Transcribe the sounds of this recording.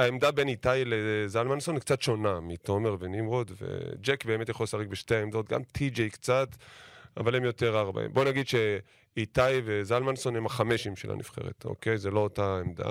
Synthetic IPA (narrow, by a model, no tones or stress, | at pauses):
aemd̪abe̞nitajlezalmanso̞nikt͡sat̪ʃo̞namito̞me̞ʁvenimʁodvḛd͡ʒekbe̞ːmetjaχolsaʁikbeʃteaemdo̞t̚ɡa̰mtʰid͡ʒejkt͡sat̪avalemjo̞te̞ʁaʁba̰ḛmbo̞naɡid̪ʃe | itajvezalmanso̞nemaχameʃimʃela̰nḭfχe̞̰ʁḛt̪o̰kejzelo̞otaemd̪a̰